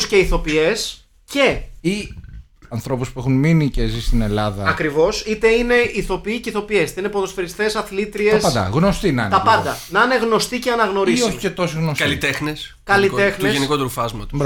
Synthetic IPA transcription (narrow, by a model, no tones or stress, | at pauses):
sce̞iθo̞pie̞s | ce̞i | ɐnθɾo̞puspuexunminicezist̪ine̞lɐðɐɐkɾivo̞sit̪e̞ine̞iθo̞piiceiθo̞pie̞st̪ɐinepoðosfeɾist̪e̞sɐθlit̪ɾieɐspɐd̪ɐ̰ɣno̞st̪inɐnt̪ɐpɐnd̪ɐnɐne̞ɣno̞st̪iceɐnɐɣno̞ɾiioçi̥cet̪o̞siɣnoskɐlit̪exnes | kɐlit̪e̞xneʝesnikot̪ɾufɐzmɐt̪